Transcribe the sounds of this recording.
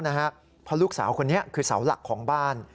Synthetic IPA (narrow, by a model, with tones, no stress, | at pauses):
na˦˥kʰa˦˥ | pʰɔ˦˥luː˥˩k̚saː˩˦wkʰo˧nːi˦˥ɐkʰɯː˧sa̰˩˦wla̰˨˩kʰːɔː˩˦ŋbaː˥˩n